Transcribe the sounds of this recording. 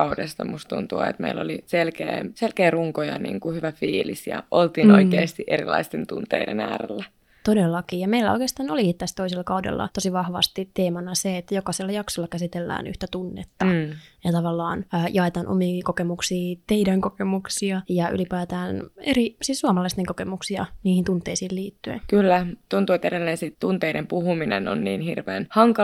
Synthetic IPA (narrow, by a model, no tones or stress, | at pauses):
ɑudest̪ɑmust̪unt̪uɑ̰ḛt̪meilːoliselkḛːmselkeːruŋkojɑnḭːŋkuhyʋæfiːlisjɑ̰ʔolt̪iːnoikkeːst̪iʔeɾḭlɑ̰ist̪ent̪unt̪eidenæːrḛlːæ | t̪odelːɑkiːjɑmeilːæo̰ikest̪ɑːnolikit̪ːæst̪oiselːɑkɑudḛlːɑ̰t̪osiʋɑhʋɑ̰st̪it̪ːeːmɑnɑseet̪ːæjokɑselːɑjɑksolːɑkæsit̪elːæ̰ːny̰ht̪æt̪unːḛt̪ːɑjɑt̪ɑʋɑlːɑːnːjɑet̪ɑnʔo̰miːkokemuksiːt̪eidæŋkokemuksiɑjɑʔy̰lipæːt̪æːneɾisissuɑmɑlɑist̪eŋkokemuksiɑ̰niːhint̪unt̪ːˑeisiːlliːt̪ːyḛnkylːæt̪unt̪uet̪eɾelːensitt̪unt̪eidempuhuminḛno̰nnḭːnhirʋḛːnhɑŋkɑ